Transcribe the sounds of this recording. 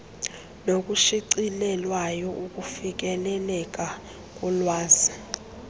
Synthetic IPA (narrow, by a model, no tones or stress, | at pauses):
nok̬ʼuʃiǀilɛlwajɔʔuk̬ʼufik̬ʼɛlɛlɛk̬ʼa | k̬ʼulwaːzi